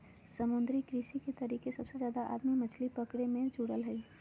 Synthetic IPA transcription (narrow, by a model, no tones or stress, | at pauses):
səmʊ̃nd̪ɾikɾiːsiket̪ɐɾiːkesɐbsezjaːd̪aʔa̰ːd̪mimət͡ʃʰlipəkɽemẽd͡ʒuɽəlɦɛiː